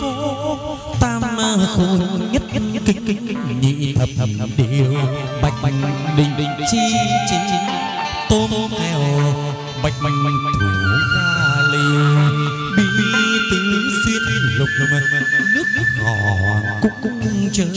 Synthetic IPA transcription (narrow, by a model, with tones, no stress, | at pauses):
kɔ˧˦ | t̪aː˧a˧xo˧˦˧ɲə˦˥t̚ki˧˩kɲḭ˧˨t̪ʰə˨˩p̚ɗi˧˩wɓa˨˩jk̚ɗï˨˩ŋ̟ɗï˨˩ŋ̟t͡ɕi˧t͡ɕi˨˧˦ | t̪o˧mt̪ʰɛ˨˧˩w | ɓa˨˩jk̚t̪ʰɨ˨˩vaː˧li˧ | ɓi˧˩˨t̪i˨˦˧si˧ət̚lʊ˨˩k͡p̚nɨ˦˥ək̚ŋɔ˨˩˨kʊ̰˧˥ŋ͡mkʊ̰˧˥ŋ͡mt͡ɕəː˨˦